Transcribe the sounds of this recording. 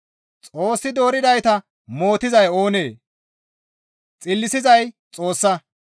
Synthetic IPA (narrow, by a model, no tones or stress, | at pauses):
t͡sʼo̞ːsːɪd̪o̞ːɾɪd̪ɐjt̪ɐ | mo̞ːt̪ɪzɐjo̞ːne̞ː | t͡sʼɪlːɪsɪzɐj | t͡sʼo̞ːsːɐ